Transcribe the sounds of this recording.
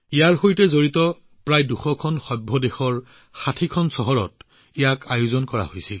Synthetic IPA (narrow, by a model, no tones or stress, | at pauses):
ijaɹxojtɛzoɹitɔ | pɹajduxɔkʰɔnxɔbʱːɔdexɔɹ | xatʰikʰɔnsɔɦɔɹɔ̰t̚ | ijakajʊzɔnkɔɹa̰hojsil